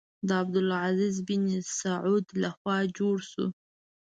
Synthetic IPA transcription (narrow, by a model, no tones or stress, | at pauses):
d̪əab̚d̪ʊlʕazizbinisaʕud̪laxwɑd͡ʒoɽʃṵ